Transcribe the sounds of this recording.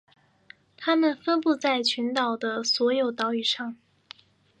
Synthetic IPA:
t̪ʰa˥mə˨nfə˥npu˥˧t͡sa˥˩ɪt͡ɕʰy˧˥nt̪ɑ˨˩ʊd̪ə˦swɔ˧˥jo˨˩ʊt̪ɑ˧˥ʊy˨˩ʂɑ˥˩ŋ

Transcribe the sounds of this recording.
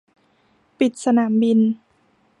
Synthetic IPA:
pi˨˩t̪̚sa˧naː˩˦mbi˧n

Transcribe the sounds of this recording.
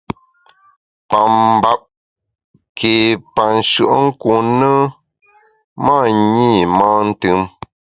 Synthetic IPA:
pa˨m˦ba˦˨p̚ | kʰeː˨pa˨n̩˨ʃɯ˨ʔŋ̩˦ku˨nə˦ | maː˦˨ɲi˦˨maː˦n̩˦tɨ˨˦m

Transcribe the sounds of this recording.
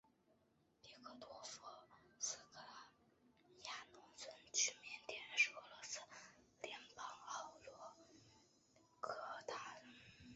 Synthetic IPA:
pi˧˥kʰɤ˧˩t̪wɔ˧˥fɔ˧˩sɹ̩˧kʰla˧˩ | ja˥˩nʊ˧˥ŋt͡sʰwə˧˥nt͡ɕʰy˥mjɛ˧˥nt̪jɛ˧˥nʂ̩˧ɤ˧˥lɔ˧˥sɹ̩˥ | ljɛ˧˥npɑ˥ŋɑ˧˩ʊlwɔ˧˥ | kʰɤ˧˥˩t̪ʰa˥˩l

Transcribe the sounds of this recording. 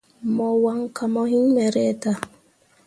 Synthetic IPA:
mɔ˨wa˦ŋka˨mɔ˦ɦi˦ɲmɛ˨ɾɛ˦ta˦

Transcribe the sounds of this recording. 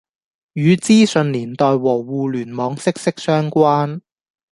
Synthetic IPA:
jyː˨˧t͡siː˥sɵ˨˧nliː˨˩nt̪ɔː˨jwɔː˨˩wuː˧lyː˨˩nmɔː˨˧ŋsɪ˥k̚sɪ˥k̚sœː˥ŋkʷaː˥n

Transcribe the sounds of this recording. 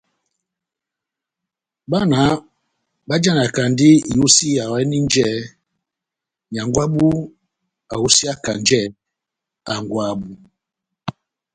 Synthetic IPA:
ba˦na˨˦ | ɓa˦d͡ʒa˦n˨a˨ka˨ndi˦i˨u˦si˦ja˨wɛ˦ni˦n˦d͡ʒɛ˦ | ɲa˨ŋɡwa˦ɓu˦ | a̰˨u˦si˦a˦ka˨n˦d͡ʒɛ˦˨ | a˨ŋ˨ɡwa˨bu˨

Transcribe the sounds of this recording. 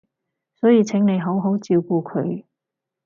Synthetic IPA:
sɔː˨˥jiː˧t͡sʰɪ˨˥ŋne˨˧jɦo˨˥wɦo˨˥wt͡siː˧wkuː˧kʰɵ˨˧ɥ

